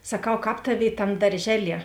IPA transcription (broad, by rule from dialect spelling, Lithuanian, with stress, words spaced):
sɐˈkɐʊ ˈkɑːp ˈtɑːˌʋʲeːɪ ˈtɐm dɐrʲˈʒʲæːˌlʲiɛ